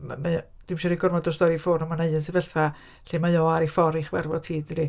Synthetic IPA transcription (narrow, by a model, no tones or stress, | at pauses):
mama | d̥imʃɛɾiɡɔrmɔdɔstɔɾifoːnɔmanejəns̬ɪvəɬθa | ɬemajoːaɾifɔɾɪχwɛrvɔtʰiːdri